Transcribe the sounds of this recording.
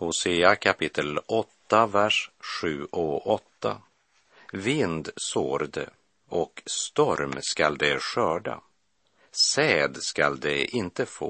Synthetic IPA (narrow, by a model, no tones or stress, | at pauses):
hʊseːakʰapʰɪt̪ʰːəlɔt̪ːavæʂɧʉ̟ːɔʔɔt̪ːa | vɪnd̪soːɾd̪ə̰ | ɔkst̪ɔɾmskald̪ɛɕœːɖa̰ | sɛːd̪skald̪ɛʔɪnt̪əfo̰ː